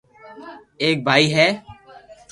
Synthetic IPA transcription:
eːk̚bʱaːiːɦɛː

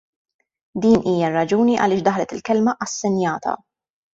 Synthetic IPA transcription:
d̪iːnʔiːjɐrːɐd͡ʒuːniʔɐ̰lɪːʃd̪ɐħlɛt̪ɪlkɛlmɐʔɐsːɛnjɐːt̪ʰɐ̰

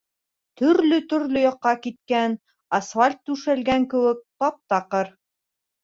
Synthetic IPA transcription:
t̪ɵ̆ɾlɵt̪ɵ̆ɾlɵjɑqːɑkit̪̚kæn | ɑsfalʲt̪ːʉʃælɡæŋkɘ̆wɘk̚t̪ɑp̚t̪ɑqɤɾ

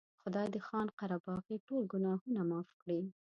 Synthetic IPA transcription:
xʊd̪ɑjd̪əxɑnqaɾabɑɣiʈolɡʊnɑhunamɑfkɽi

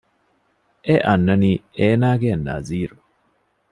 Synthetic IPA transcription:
ʔeʔɐnːɐnieːnaːɡeɐnːa̰ziːɾu

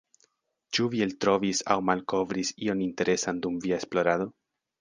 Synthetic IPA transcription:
t͡ʃuvieltɾo̞visa̰wmalko̞vɾisio̞ninte̞ɾe̞sandumviaesplo̞ɾado̞

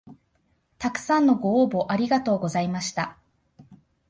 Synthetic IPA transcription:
t̪akɯ̟̥sãnːo̞ɡo̞ːbo̞ʔaɾʲiɡat̪o̞ːɡo̞zaimaɕi̥t̪a

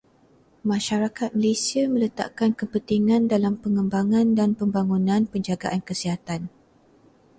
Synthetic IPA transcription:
mãʃaɾakat̪̚məlesiamə̃lət̪a̰ʔkankəpənt̪iŋãndalampəŋəmbaŋãndanpəmbaŋunãnpəɲd͡ʒaɡa̰ʔankəsiɦat̪an

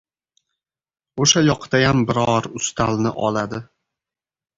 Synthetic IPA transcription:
oʃajɒqt̪ʰajambɪɾɒɾʊst̪ʰalnɪʔɒ̰lad̪ɪ

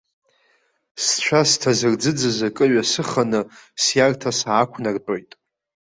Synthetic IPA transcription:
st͡ʃʷʰastʰazɨrd͡zɨd͡zɨzakʼɨɥasɨχanɨsjartʰasaːkʷʰnart͡pʼo̞jtʼ

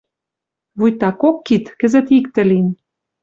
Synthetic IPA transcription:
βujt̪ɑkokːit̪kɘ̆zə̆t̪ikt̪ɘ̆lin

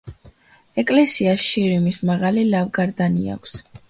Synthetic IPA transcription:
ɛkʼlɛsiasʃiɾimismaʁalilavɡaɾd̪ania̰kʷʰs

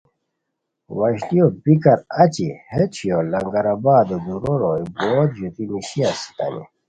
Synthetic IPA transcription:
wɐɕt̪iobikɐɾɐt͡ɕihet͡ɕ̪ʰiolɐŋɡɐɾabaːd̪od̪uɾoɾoiboːd̪ʑut̪iniɕiasi̥t̪ɐ̰nḭ

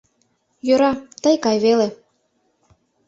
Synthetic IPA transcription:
jøɾɑt̪ɤjkɑjβele

